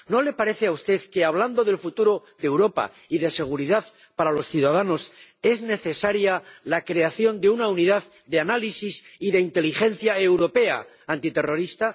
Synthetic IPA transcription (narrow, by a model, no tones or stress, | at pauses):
no̞le̞paɾe̞θe̞aust̪e̞ðke̞aβland̪o̞ðe̞lfut̪uɾo̞ðe̞wɾo̞pa̰ | iðe̞se̞ɣ̞uɾiðað | paɾalo̞sθjuðað̞ano̞se̞zne̞θe̞saɾjalakɾe̞aθjo̞nd̪eunauniðað | ðe̞analisisiðe̞int̪e̞lixe̞nθjae̞wɾo̞pe̞a̰ | ant̪it̪e̞ro̞ɾist̪a